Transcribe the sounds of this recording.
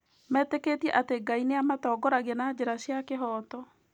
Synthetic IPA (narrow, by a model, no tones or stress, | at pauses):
mɛːteketjɛʔateɡaineamatɔɡɔɾaɣɛnad͡ʑeɾaɕjakeɦɔːtɔ